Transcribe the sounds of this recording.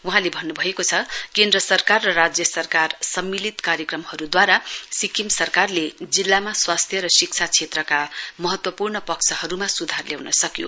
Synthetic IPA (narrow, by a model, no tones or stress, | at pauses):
wuɦãlebʱʌnːubʱʌekot͡sʰʌkend̪rʌsʌrkarːʌrad͡zjʌsʌrkarsʌmːilit̪kaɾjʌkrʌmhʌɾud̪waɾasikimsʌrkarled͡zilːamaswast̪ʰjʌɾʌsikt͡sʰat͡sʰet̪rʌkamʌɦʌt̪wʌpurnʌpʌksʰʌhʌɾumasud̪ʱarljawnʌsʌkjo̰